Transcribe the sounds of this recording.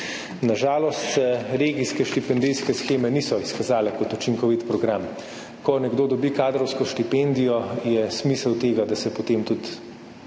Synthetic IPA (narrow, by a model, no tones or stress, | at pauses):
naʒaːlɔst̪sɛɾeːɡiskɛʃt̪ipɛnd̪ijskɛsxeːmɛnisɔiskazaːlɛkɔt̪ut͡ʃiŋkɔʋit̪pɾɔɡɾam | kɔnɛɡd̪oːd̪ɔbikaːd̪ɾɔwskɔʃt̪ipend̪ijɔjɛsmisəwt̪eːɡad̪asɛpot̪emt̪ut̪